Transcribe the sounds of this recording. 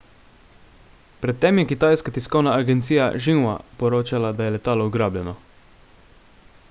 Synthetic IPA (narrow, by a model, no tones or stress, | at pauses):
pɾɛt̪ːɛmjɛkit̪aːjskat̪iskɔwnaːɡɛnt̪siːja̰ʒinwa̰pɔɾoːt͡ʃalad̪ajɛlɛt̪aːlɔuɡɾaːbljɛnɔ